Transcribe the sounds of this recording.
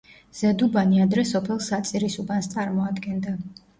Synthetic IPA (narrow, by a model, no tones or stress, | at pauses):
z̥ɛd̪ubaniad̪ɾɛsɔpʰɛlˠsat̪sʼiɾisubanst̪sʼaɾmɔad̪ɡɛnd̪a